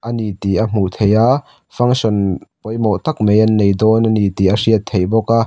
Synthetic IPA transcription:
ʔanit̪iʔɐm̥ut̪ʰeja | fɐŋsɔnpɔjmɔt̪ɐk̚mejɐnːejd̪ɔnɐnit̪iʔɐsiətt̪ʰːejbɔkaʔ

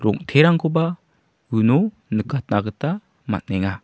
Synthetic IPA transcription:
ɾɔŋtʰeɾaŋkʰoba | ɯno | nɯkʰat̚naɡɯta | ma̰t̚nɛŋa

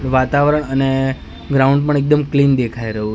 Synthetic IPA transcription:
ʋat̪aʋɾəɳəne | ɡɾauɳɖ̚pəɳek̚d̪əmklind̪ekʰajɾəɦu

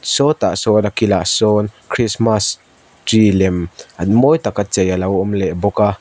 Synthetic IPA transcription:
sɔt̪aʔsɔːnakilaʔsɔːnkʰɾismas | tɾilɛmʔanmɔjt̪akat͡sɛjalɐwɔmlɛʔbɔka

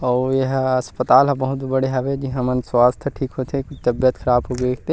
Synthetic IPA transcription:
ɔːjeɦɐspət̪aːlɦɐbɐɦʊt̪bɐɽeɦɛʋed͡ʒiɦãmənswaːst̪ʰəʈʰiːkɦot̪ʰekʊt͡ʃʰt̪ɐbjət̪kʰɐɾaːbɦobeːk̚ʰt̪e

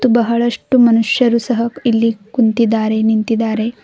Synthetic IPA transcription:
ubɐɦɐɭɐʂʈumɐnuʂjɐɾuːsɐɦɐilːikunt̪id̪ːaːɾenint̪id̪aːɾe

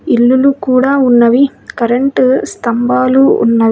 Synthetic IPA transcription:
ilːulukuːɽaːunːɐʋikɐɾɐɳʈst̪ɐmbaːluṵnːɐʋi

